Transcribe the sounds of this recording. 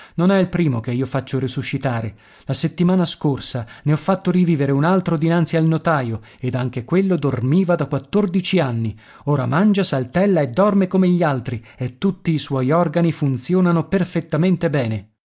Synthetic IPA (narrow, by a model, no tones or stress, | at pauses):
nonɛilpɾiːmokeiːofat͡ʃːoɾisuʃːit̪aːɾe | laset̪ːimaːnaskorsaneɔfːat̪ːoɾiviːveɾeunalt̪ɾod̪inant̪sialnot̪aːjo | ed̪aŋk̟ekwelːod̪ormiːvad̪akwat̪ːord̪it͡ʃianːi | oːɾa̰mand͡ʒasalt̪ɛlːaed̪ːɔrmekomeʎːialt̪ɾi | et̪ːut̪ːiːswɔjɔrɡanifunt̪sjoːnanoperfet̪ːament̪ebɛːne